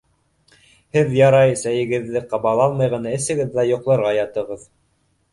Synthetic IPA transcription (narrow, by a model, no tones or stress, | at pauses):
hɘðjɑɾɑjsæjɘ̆ɡɘ̆ðːɘqɑβɑlˠɑlˠmɑjʁɤ̆nɑɘ̆sɘ̆ɡɘðːæjŏqlˠɤ̆ɾʁɑjɑt̪ɤ̆ʁɤð